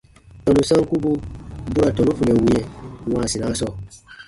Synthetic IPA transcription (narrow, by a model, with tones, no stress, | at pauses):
tɔ̃˨nũ˨sã˦ŋ˦ku˦bu˦bu˦ɾa˨tɔ̃˨ũ˦fũ˨ɛ̃˨wũ˦ɛ̃˦wã˨si˨ã˦sɔ˨